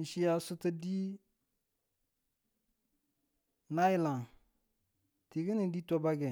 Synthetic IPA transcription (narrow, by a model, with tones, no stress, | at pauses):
ʃi˦˨ja˨su˦tu˦di˦ | na˦i˦la˨ŋ | ti˨ɡi˦ni˨di˦to˦ba˦ɡɛ˨